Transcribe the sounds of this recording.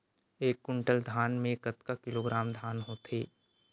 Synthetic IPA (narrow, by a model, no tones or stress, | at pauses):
eːkːʊ̃ɳʈəld̪ʱaːnmẽkɐt̪kakɪloːɡɾaːmd̪ʱaːnɦot̪ḛː